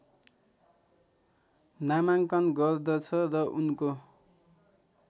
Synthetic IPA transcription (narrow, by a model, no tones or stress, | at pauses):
namaŋkʌnɡʌrd̪ʌt͡sʰʌrʌʔunko